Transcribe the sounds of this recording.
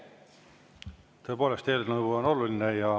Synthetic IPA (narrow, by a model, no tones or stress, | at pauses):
t̪ɤe̞po̞ːlest̪eːlnɤwvuono̞lulinejɑ